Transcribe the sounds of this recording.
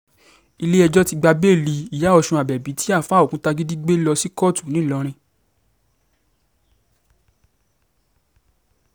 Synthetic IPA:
i˧le˦ɛ˧d͡ʒɔ˦ti˧ɡ͡ba˧be˦˨li˧i˨ja˨˦ɔ˧ʃũ˧a˨bɛ˨bi˨˦tʰi˦a˦˨fã˨˦o˨kũ˦ta˧ɡi˦di˦ɡ͡be˦lɔ˧si˦kɔ˦˨tu˨nĩ˨˦˨lɔ˨˧˦ɾ̃ĩ˧

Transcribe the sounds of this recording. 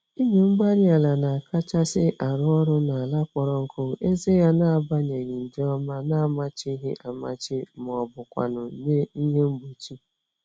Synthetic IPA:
i˦ɦe˨ŋ͡m̩˦ɡ͡ba˦ɾa˨la˨na˨a˨ka˦t͡ʃa˦sɪ˦ʔa˨ɾʊ˦ɔ˦ɾʊ˦na˨a˨la˦kʷɔ˨ɾɔ˨ŋ̩˨kʰʊ˦e˦ze˦ja˦na˦a˨ba˦ɲe˨ɣɪ˨n̩˨d͡ʒɔ˦ma˦na˦a˨ma˨t͡ʃi˦ɦe˦ʔa˨ma̰˨t͡ʃɪ˦m˨ɔ˨bʊ˨kʷa̰˨nʊ˨ne˦i˦ɦe˦m̩˦ɡ͡bu˨t͡ʃi˦

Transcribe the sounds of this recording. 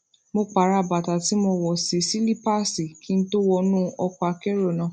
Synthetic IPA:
mo˧k͡pa˨ɾa˨ba˨ta˨ti˨˦mo˧wɔ˨se˨si˦li˦pa˦si˨kʰi˦n̩˦to˦wɔ˧nũ˦ɔ˧kɔ˦˧a˧kɛ˦ɾo˦˨nã˨˦

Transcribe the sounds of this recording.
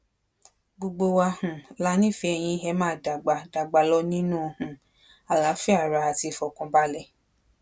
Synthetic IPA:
ɡ͡bo˧ɡ͡bo˧wa˧hũ˨la˦nĩ˦˨fi˧˦ɛ˧j̃ĩ˧ɛ˧˦mãː˦˨da˨ɡ͡ba˧da˨ɡ͡ba˨˧lɔ˧˦nĩ˦nũ˦˧hũ˨ | a˨la˨˦fi˦a˦˨ɾa˧˦a˨ti˧fɔ˨kɔ̃˧ba˦lɛ˦˨

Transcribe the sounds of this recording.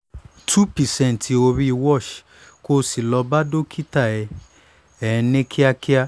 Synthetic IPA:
tʰu˦pi˨sɛ̃˦˨n˨ti˧o˧ɾi˧wɔ˦˨ʃ | ko˧˦si˨lɔ˧ba˦do˦kʰi˦ta˦˨ɛ˧ | ɛ˨˧nẽ˦kʰi˦a˦ki˦a˦

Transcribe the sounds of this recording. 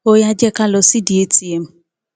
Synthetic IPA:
o˦ja˦d͡ʒɛ˦ka˦lɔ˨si˦di˨e˦ti˨e˨m̩˦

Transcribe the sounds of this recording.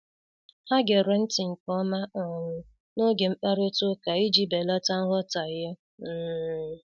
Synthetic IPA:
ha˦ɡe˨ɾe˦n̩˦tɪ˨ŋ̩˨kɔ˦ma˦ɔ˨ŋʷʊ˨ | no˦ɡe˨ŋ͡m̩˦k͡pa˦ɾo˦tʊ˦ka˨i˦d͡ʒi˦be˨la˦ta˦ŋ̩˦ɦɔ˦ta˨jɪ˦ | m̩ː˦

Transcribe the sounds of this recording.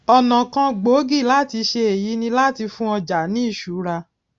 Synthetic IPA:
ɔ˧nã˨kã˧ɡ͡bo˨˦ɡi˦˨la˦˨ti˧ʃe˧e˨ji˨˦nĩ˧la˦˨ti˧fũ˦ɔ˧d͡ʒa˨˦nĩ˦i˦˨ʃu˨˦ɾa˧

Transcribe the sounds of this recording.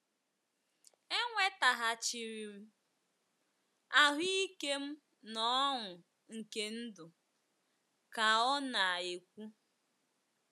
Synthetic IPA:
e˦ŋʷe˦ta˨ɦa˨t͡ʃi˨ɾi˨m̩˦ | a˦ɦi˦i˦ke˦m̩˦ | nɔ˦ŋʊ˨ | ŋ̩˨ke˦n̩˦dʊ˨ | ka˨ɔ˦na˨e˨kʷu˦

